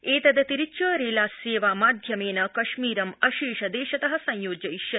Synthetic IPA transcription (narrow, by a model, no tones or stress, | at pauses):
eːt̪ɐd̪ɐt̪iɾiːʃɐːɾeːlaːseːʋaːmaːd̪ʱjɐmeːnɐkɐʃmiːɾɐmɐʃiːʃɐd̪eːʃɐt̪ɐɦɐ̆sɐ̃jjoːd͡ʒɐjiʃjɐ